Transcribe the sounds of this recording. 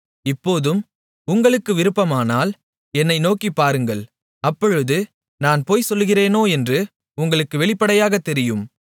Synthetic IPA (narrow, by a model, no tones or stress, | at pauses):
ɪpːoːðɯm | ʊŋɡɐɭɯkːɯʋɪɾɯpːɐmaːnaːl | ɛnːɐɪnoːkipːaːɾɯŋɡɐɭ | ɐpːɔɻɯðɯ | naːnpoːjsɔlːɣɪreːnoːɛndrɯ | ʊŋɡɐɭɯkːɯʋɛɭɪpːɐɽɐjaːɣɐt̪ːɛɾɪjɯm